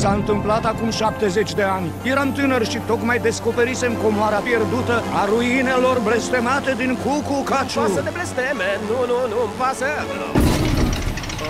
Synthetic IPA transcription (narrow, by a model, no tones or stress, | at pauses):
saɨnt̪ɨmplat̪akumʃap̚t̪e̞ze̞t͡ʃʲd̪e̞anʲjeɾamt̪ɨnərʃit̪o̞kmajd̪e̞sko̞pe̞ɾise̞mko̞moaɾapje̞rd̪ut̪əaɾuine̞lo̞rble̞st̪e̞mat̪e̞d̪iŋkukukat͡ʃuaəd̪eblest̪emenununumpasə